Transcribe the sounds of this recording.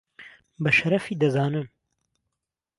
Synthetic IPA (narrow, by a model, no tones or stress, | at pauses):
bɐʃɐɾɐfiːd̪ɐzaːnɨm